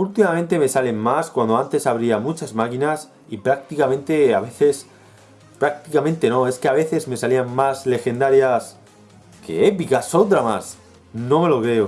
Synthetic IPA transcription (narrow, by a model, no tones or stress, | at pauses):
ult̪imamẽnt̪e̞me̞sale̞mmaskwand̪o̞ant̪e̞saβ̞ɾiamut͡ʃazmakinas | ipɾak̚t̪ikamẽ̞nt̪e̞a̰βe̞θe̞s | pɾak̚t̪ikamẽnt̪e̞no̞e̞ske̞aβ̞e̞θe̞zme̞saliaŋmazle̞xe̞nd̪aɾjas | kʰe̞̰e̞pikasot̪̬ɾamas | no̞me̞lo̞kɾe̞o